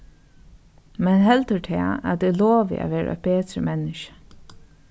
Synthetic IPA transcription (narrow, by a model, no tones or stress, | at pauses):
mɛnɦɛlt̪əɹʈ̪ʰɛ̰ːæ̰t̪ɪloːʋɪ̰a̰ʋeːɹɾa̰ʔœ̰t̚beːt̪ɾəmɛnːɪʃə̥